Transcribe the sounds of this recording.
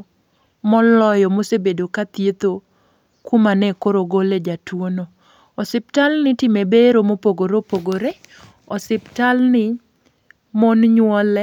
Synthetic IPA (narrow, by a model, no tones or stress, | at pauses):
mɔlɔjɔmosebedokat̪jet̪o | kumanɛkoɾoɡoled͡ʒatwono | ɔsɪp̚talnɪtɪmebeɾomopoɡoɾopoɡoɾe | ɔsɪptalnɪ | mɔnɲwɔlɛ